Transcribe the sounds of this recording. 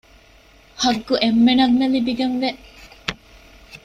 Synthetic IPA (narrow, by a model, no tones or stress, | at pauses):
hɐɡːuʔemːenɐŋːelibiɡenʋeʔ